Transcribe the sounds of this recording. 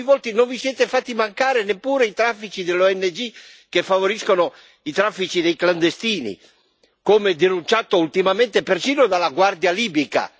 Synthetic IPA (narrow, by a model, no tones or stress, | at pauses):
ivɔlt̪inoɱvisjɛːt̪efat̪ːimaŋkaːɾenepːuːɾeit̪ɾafːit͡ʃid̪elːoɛnːed͡ʒi | kefːavoɾiskono | it̪ɾafːit͡ʃid̪ejkland̪est̪iːnḭ | komed̪enunt͡ʃat̪oult̪imament̪epersiːnod̪alːaɡward̪jaliːbika̰